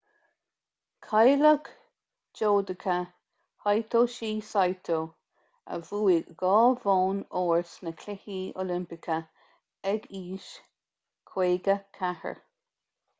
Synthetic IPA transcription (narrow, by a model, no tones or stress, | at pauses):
kʰajləɡ | d͡ʒoːd̪əkʰə | hajt̪ʰoːʃiːsajt̪ʰoː | ə̰vuːiɡɔːvoːnoːɹsnəkʰlɪhiːo̰lɪmpɪkʰə | ɛɡiːʃ | kʰw̥eːɡəkʰahə̰ɹ